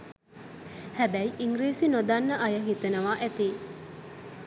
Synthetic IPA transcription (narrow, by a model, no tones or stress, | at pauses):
hæbɛiʔiŋɡɾiːsinod̪anːəʔɐjəɦit̪enəʋaːʔæt̪iː